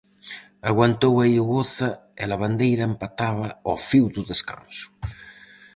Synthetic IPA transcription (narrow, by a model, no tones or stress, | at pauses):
aɣwant̪owaiuɣoθaelaβand̪ejɾaempat̪aβɐofiwd̪uðeska̰nsu̥